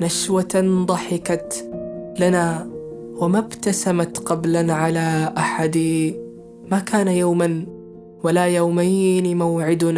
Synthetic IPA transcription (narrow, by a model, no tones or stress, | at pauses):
naʃwat̪and̪ˤɑħɪkat̪ | lana | wɪmabt̪asamat̪qɑblanʕalaʔaħad̪i | makaːnajaːman | walajawmajnmawʕɪd̪n